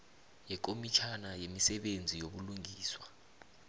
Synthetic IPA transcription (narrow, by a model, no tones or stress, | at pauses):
jɛk̬ʼomit͡ʃʰanajemisɛɓend͡zʱijoɓuluŋɡʱiːswa